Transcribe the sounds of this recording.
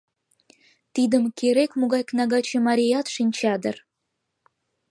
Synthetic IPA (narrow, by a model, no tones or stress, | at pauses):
t̪id̪əmkeɾekmuɣɑjknɑɣɑt͡ɕĕmɑɾʲijɑt̪ʃinʲt͡ɕɑd̪ə̰̆r